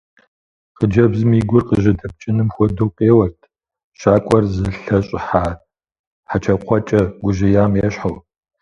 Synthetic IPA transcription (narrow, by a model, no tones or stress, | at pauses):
qəd͡ʒɐbzɨmiːɡʷʊrqəʒɪdɐp̚t͡ʃʼɪnɨmxʷɔdowqʼeːwɐrtʰ | ʃaːkʷʼɔrzɨɬɐɕʼɪħaː | ħat͡ʃʰɐqʷʰɔt͡ʃʼɐɡʷʊʒɪjaːmeːɕħaw